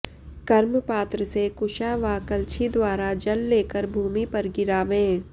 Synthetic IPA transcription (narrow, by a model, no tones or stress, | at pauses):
kɐɾməpaːt̪ɾəsekʊʃaːʋakəlt͡ʃʰid̪waːɾad͡ʒɐlːeːkəɾbʱuːmipɐɾɡɪɾaːʋẽː